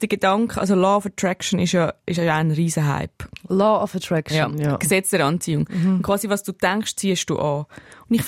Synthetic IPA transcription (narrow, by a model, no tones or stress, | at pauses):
d̥əɡedɑŋkχəʔɑ̰ls̬olɑːɔfətɾɛkʃənɪʃjɑɪʃɑjanɾiːzəɦa̰ɪplɑːɔfətɾɛkʃjajksɛt͡sd̥ɛɾɑnt͡siːʊŋʊnkʰʁ̥ʋɑːsivɑsd̥uːtɛŋkχʃt͡siːəʃd̥ṵːʔɑːʊndiχ